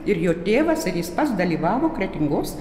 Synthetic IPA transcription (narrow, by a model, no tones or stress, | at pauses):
ɪɾjoːt̪ʲeːʋɐsɪɾjɪspɐt̪sd̪ɐlʲiːʋɑːʋoːkɾʲɛt̪ʲɪŋɡoːs